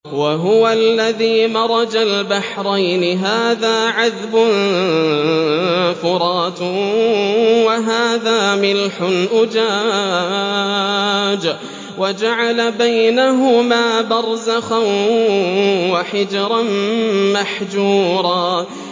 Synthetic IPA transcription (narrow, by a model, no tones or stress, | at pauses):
waɦʊwalːaðiːmɑɾˤɑd͡ʒalbaħɾˤajnɪɦaːðaːʕaðbʊn | fʊɾˤɑːt̪ | waɦaːðaːmɪlħʊnʔʊd͡ʒaː | d͡ʒ | wad͡ʒaʕalabajnaɦʊmaːbɑɾˤzaxan | waħɪd͡ʒɾˤɑnmaħd͡ʒuːɾˤɑː